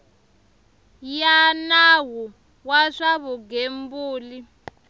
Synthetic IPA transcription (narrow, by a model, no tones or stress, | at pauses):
janawu | waʂaβuɡembuːli